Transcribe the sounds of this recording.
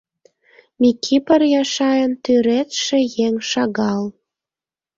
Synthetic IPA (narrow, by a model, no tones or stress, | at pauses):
mʲikʲʰipərjɑʃɑjənt̪yɾet̪ʃĕjeŋʃɑɣɑl